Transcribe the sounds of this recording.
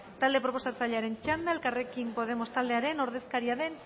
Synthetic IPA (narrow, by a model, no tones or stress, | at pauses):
t̪ald̪e̞pɾo̞po̞sat͡saʎeaɾe̞nt͡ʃand̪aelkare̞kimpo̞ð̞e̞mo̞st̪ald̪eaɾe̞no̞ɾðe̞skaɾiaðe̞n